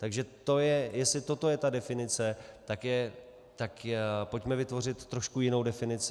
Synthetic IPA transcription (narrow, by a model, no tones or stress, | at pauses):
t̪aɡʒɛt̪o̞jɛjɛsɪt̪o̞t̪o̞jɛt̪adɛfɪnɪt͡sɛt̪akjɛ | t̪akpo̞cmɛvɪt̪vo̞r̝ɪt̪ːɾo̞ʃkujɪno̞wdɛfɪnɪt͡sɪ